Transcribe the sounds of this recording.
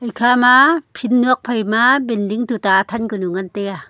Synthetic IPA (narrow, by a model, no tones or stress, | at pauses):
ʔɐjkʰaːmapʰinːuɐk̚pʰɐjmabɛnliŋt̪ut̪aːt̪ʰankunuŋɐnt̪ɛa